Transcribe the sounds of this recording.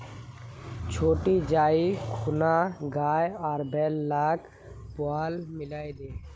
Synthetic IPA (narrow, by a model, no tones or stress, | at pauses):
t͡ʃʰoːʈid͡ʒaːikʰʊnaɡaːjɔːɾbɛːlːaːk | pʊaːlmɪlaːjd̪eː